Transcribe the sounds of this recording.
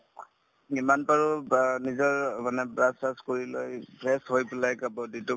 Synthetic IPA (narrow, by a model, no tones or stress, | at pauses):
imanpaɹʊnizɔɹmanɛbɹasaskoɹilojpɹɛshojpɛlajkabɔditu